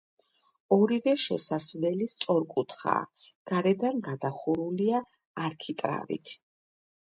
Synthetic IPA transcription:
ɔɾivɛʃɛ̰sasvɛlist̪sʼɔɾkʼut̪ʰχa̰ːɡ̥aɾɛd̪anɡad̪aχuɾuliaː | ɾkʰit̪ʼɾa̰vḭt̪ʰ

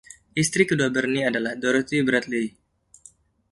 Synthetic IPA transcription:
ʔist̪ɾikəduabərniadalahdoɾot̪ibɾat̪̚li

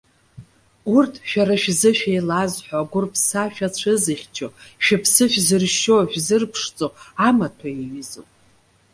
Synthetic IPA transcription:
urtʰʃᶣaɾaʃzɨʃᶣejlazħʷaɡʷʊrpʰsaʃᶣat͡ɕʷʰɨzɨχʲt͡ʃʰoʃᶣɪpʰsɨʃᶣzɨrʃoħᶣzɨrpʰʂt͡sʼoamatʰaiɥizo̰wʼ

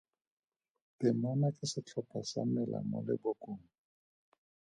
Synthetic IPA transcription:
pɪmɔnakʼɪsɪt͡ɬʰɔpʰʼasa̰mɛla̰mʊ̰lɪ̰bɔkʼoːŋ̩

